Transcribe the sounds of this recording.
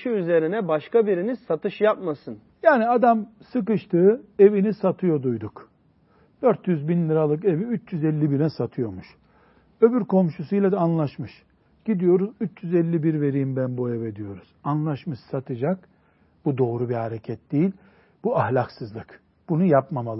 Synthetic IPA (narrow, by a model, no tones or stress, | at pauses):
ʃɯyze̞ɾinɛbaʃkabiɾinizsat̪ʰɯʃjapmasɯn | jaːniad̪amsɯk̬ɯʃt̪ʰɯːe̞vinisat̪ʰɯjo̞d̪ujd̪uk | d̪̥øɾt̪jyzbinlʲɯɾalˠɯke̞viyt͡ʃjyzɛlʲːibiɾɛsat̪ʰɯjo̞muʃ | ø̞byɾkʰo̞mʃusujlʲˠad̪ɛːnlˠaʃmɯʃ | ɟ̥id̪ijo̞ɾuzyt͡ʃjyzɛlʲːibiɾve̞ɾijimbænbojeved̪ijo̞ɾuz̥anlˠaʃmɯʃsat̪ʰɯd͡ʒak | b̥ud̪o̞ːɾubihaɾecʰɛt̪̚d̪̥ijilʲ | buahlʲaksɯzlˠɯk | b̥unujapmamalˠ